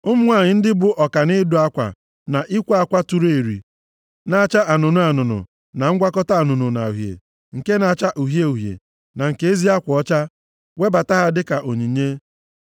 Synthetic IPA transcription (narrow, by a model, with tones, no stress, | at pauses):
ʊ˦m̩˦ŋʷa˦˨ɲɪ˨n̩˦dɪ˦bʊ˦ʔɔ˨ka˨nɪ˦du˨a˦kʷa̰˨ | na˨ʔi˦kʷa˦a˦kʷa˦tu˨ɾe˨ɾḭ˨ | na˨a˦˨t͡ʃa˦a˨nʊ˨nʊ˦a˨nʊ˨nʊ̰˨ | na˨ŋ̩˦ɡʷa˦kɔ˦ta˦a˨nʊ˨nʊ˨na̰˨u˨ɦjḛ˨ | ŋ̩˨ke˦na˨a˨t͡ʃa˦ʔu˨ɦje˦u˨ɦjḛ˨ | na˨ŋ̩˨ke˨e˦zi˦a˦kʷɔ˦t͡ʃa˦ | we˦ba˨ta˦ɦa˦dɪ˦ka˨ʔo˨ɲi˨ɲe˦